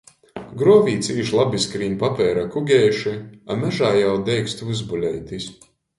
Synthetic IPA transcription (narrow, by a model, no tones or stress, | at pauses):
ɡɾuɔvʲiːt̪siːʃlˠabiskɾiːnpapʲɛːɾakuɡʲɛːʃiamæʒaːjawd̪ɛjkst̪vuzbulʲɛjt̪is